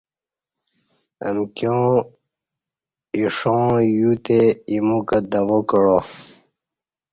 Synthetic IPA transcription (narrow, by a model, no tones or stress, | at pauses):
ə̰mkjõː | iʂõːjut̪eimukəd̪awokɻo